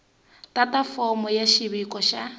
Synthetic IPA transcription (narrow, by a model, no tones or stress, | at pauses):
tatʼafɔmɔjaʃiβikʼɔʃa